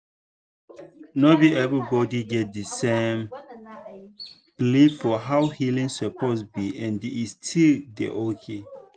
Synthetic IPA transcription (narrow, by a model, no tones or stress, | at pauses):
nobiɛvɹibɔdiɡɛt̚dəsẽm | plifɔɦawhilĩŋsəpɔtsbiʔɛ̃ndiːstʰildḛʔokʰe